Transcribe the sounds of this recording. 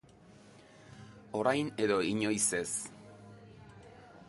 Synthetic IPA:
o̞ɾajne̞ðo̞iɲo̞jse̞s

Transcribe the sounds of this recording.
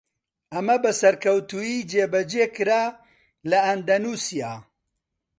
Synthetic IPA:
ɐmɐbɐsɐɾkɐwt̪ujiːd͡ʒeːbɐd͡ʒeːkɨɾaː | lɐɐnd̪ɐnuːsijaː

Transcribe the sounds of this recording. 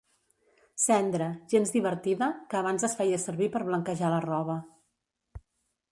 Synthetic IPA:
sɛnd̪ɾəʒenzd̪iβ̞əɾt̪iðəkəːβ̞anzəsfɛjəsəɾβipəɾβləŋkəʒalərɔβə

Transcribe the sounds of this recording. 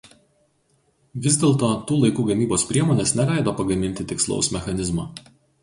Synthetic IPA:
ʋʲɪzʲd̪ʲeːlˠt̪oːt̪uːlˠɐɪkuːɡɐmʲiːboːspʲɾʲiɛmoːnʲeɛsnʲɛlʲæˑɪd̪oːpɐɡɐmʲɪnʲt̪ʲɪt̪ʲɪkslˠɔ̰ʊsmʲɛxɐnʲɪzmɑː

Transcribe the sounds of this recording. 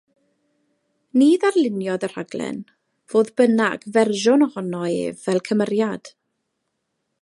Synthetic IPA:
niːðarlˠɪnjɔðər̥aɡlˠɛ̰n | v̥oːðbənaɡvɛrʒʊnɔhɔnɔḛːvɛlˠkʰəməɾjad̥

